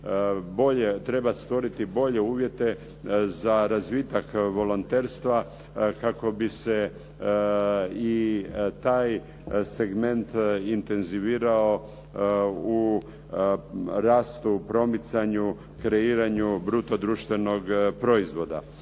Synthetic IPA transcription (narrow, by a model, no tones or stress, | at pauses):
bo̞ʎet̪ɾe̞bast̪ʋo̞ɾit̪ibo̞ʎe̞uːʋje̞t̪e̞ | zaɾazʋit̪akʋo̞lont̪e̞ːɾst̪ʋa | kako̞bise̞ | it̪aːj | se̞ɡme̞nt̪int̪e̞nziʋiːɾao | u | ɾaːst̪upɾo̞mit̪saɲu | kɾeiːɾaɲubɾut̪od̪ɾuʃt̪ʋe̞no̞ɡpɾo̞izʋo̞d̪a̰